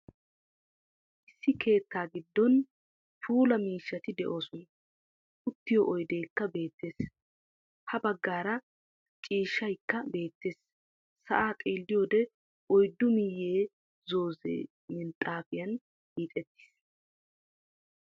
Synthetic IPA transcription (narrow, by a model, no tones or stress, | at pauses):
ʔɪsːɪkʰe̞ːt̪ːaːɡɪd̪ːɔn | fʰuːlɐmiːʃːɐt̪ɪd̪ɛʔo̞ːsɔnɐ | ʔʊt̪ːɪjɔʔɔjd̪e̞ːkːɐbe̞ːt̪ːe̞ːs | hɐbɐɡːaːɾɐ | t͡ʃʼiːʃːɐjkːɐbe̞ːt̪ːeːs | sɐ̰ʔaːt̪ʼeːld̪ɪjoːd̪ɛ | ʔɔjd̪ːʊmɪjːeː | zo̞ːzḛː | mɪnt̪ʼaːfɪjɐn | iːt̪ʼɛt̪ːɪ̥s